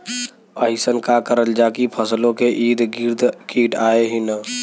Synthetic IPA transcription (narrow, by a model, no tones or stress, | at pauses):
əɪsənkakəɾəld͡ʒaːkipʰəslõkeʔiːd̪ɡɪɾd̪kiːʈaːeɦinə